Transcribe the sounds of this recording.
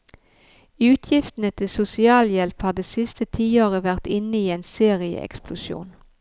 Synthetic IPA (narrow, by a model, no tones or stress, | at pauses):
ʉːt̪ʰjɪft̪n̩ət̪ʰɪlsʊsɪɑːljɛlphɑːd̪eːsɪst̪ət̪ʰiːoːʁəʋæʁt̪ɪnəiːeːnseːʁɪə̰ʔɛ̰ksplʊʃjṵːn